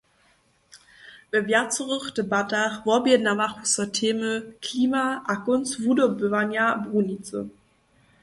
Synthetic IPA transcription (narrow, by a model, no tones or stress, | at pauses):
vɛvjat͡səʁəχd̥əbataχvɔbiənamaχusɔtʰeːməkʰliːmaʔakʊnsvudobøvanjabʁunit͡sə̰